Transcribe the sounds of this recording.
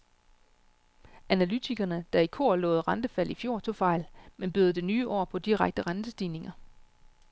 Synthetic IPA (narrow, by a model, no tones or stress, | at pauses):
ʔænælyt͡sʰiɡ̥ɐnəd̥ɑ̈ikʰo̝̰ɐ̰lɔ̰̽ːð̞̩ˠʁɑnd̥əfæl̰ʔifjo̝̰ːt͡sʰo̝fɑ̈ɪ̰lmenb̥yːð̩ˠd̥e̝nyːʔɒ̰ːpʰɒ̽d̥iʁaɡ̥̚d̥əʁɑnd̥əsd̥iːne̝ŋɐ